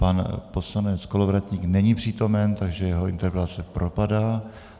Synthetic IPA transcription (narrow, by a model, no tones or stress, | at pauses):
panposlanɛt͡sko̞lovɾat̪ɲiːknɛɲipr̥iːt̪o̞mɛnt̪aɡʒɛjɛɦoɪnt̪ɛɾpɛlat͡sɛpɾʔo̞padaː